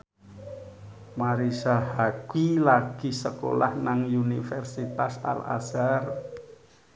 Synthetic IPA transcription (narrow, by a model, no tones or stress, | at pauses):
maɾisahaɡ̥wilaɡ̥isəko̰la̰hnaŋunifɛrsit̪asa̰la̰sar